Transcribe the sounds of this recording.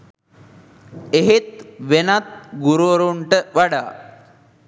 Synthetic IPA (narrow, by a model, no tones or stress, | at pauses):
eɦet̪̚ʋenat̪̚ɡuɾuəɾuɳʈəʋaɖa̰ː